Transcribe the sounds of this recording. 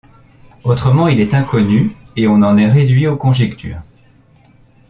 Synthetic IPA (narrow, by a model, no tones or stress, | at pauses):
ot̪χəmɑ̃ilɛt̪ɛ̃kɔnyeɔ̃nɑ̃nɛʁed̪ɥiokɔ̃ʒɛkt̪ʰy̰ːʁ